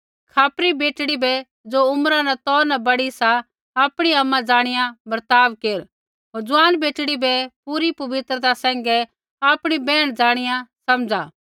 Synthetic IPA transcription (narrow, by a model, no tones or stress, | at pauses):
kʰaːpɾibeːʈɽibɛ | d͡zoʊmɾãnɛt̪ɔːɾnɛbɐɽisa | aːpɽ̃iɐmːãd͡zaːɽ̃ɪjãbɐɾt̪aːʋkeːɾ | ɦoːɾd͡zʊaːnbeːʈɽibɛpuɾipɐʋɪt̪ɾət̪asɛ̃ːŋ̆ɡɛ | aːpɽ̃ibɛːɽ̃d͡ʒaːɽ̃ɪjãsɐmd͡zaː